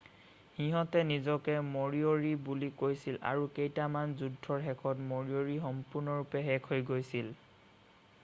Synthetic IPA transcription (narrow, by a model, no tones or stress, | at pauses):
hiɦɔtɛnizɔkɛmoɹioɹibulikojsila̰ɹukejtamanzudʱːɔɹɦɛkʰɔtmoɹioɹixɔmpʊɹnɔɹupɛɦɛkʰojɡojsil